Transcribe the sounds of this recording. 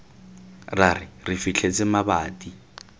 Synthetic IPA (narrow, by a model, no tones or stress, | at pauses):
rarɪrɪfit͡ɬʰet͡sʼɪmabaːtʼi